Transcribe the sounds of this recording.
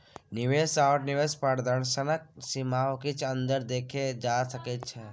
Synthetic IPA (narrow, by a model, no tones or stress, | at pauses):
nɪʋeːsawʈnɪʋeːspaɽd̪əɳsənək̚simaːwkit͡ʃʰɐ̃nd̪əɾd̪eːkʰed͡ʒaːsɐket͡ʃʰe